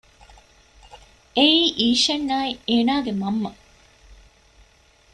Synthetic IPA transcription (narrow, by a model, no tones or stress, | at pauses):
eiːʔiːʃɐnːaːieːnaːɡemɐmːɐ